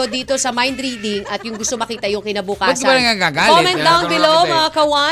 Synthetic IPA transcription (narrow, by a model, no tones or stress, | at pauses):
od̪iːt̪o̞sɐmajnd̪ɾid̪ɪŋɐt̪jʊŋɡʊst̪omɐkiːt̪ɐjʊŋkɪnɐbukaɛsɡɪbɐlɐŋɐɡaɡakoɪmɛ̃n̚d̪awnbɪlowmɐɐkɐwa